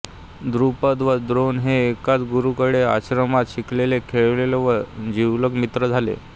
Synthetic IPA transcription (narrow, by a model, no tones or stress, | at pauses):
d̪ɾupəd̪ʋəd̪ɾonɦeːkat͡sɡuɾukəɽea̰ɕɾəmat̪ɕiklelekʰeɭlelʋəd͡ʑiwləɡmit̪ɾəd͡zʱalḛ